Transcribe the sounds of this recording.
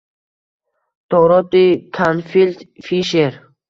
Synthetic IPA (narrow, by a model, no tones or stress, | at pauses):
t̪ɔɾɔt̪ikʰanfilt̪fiʃeɾ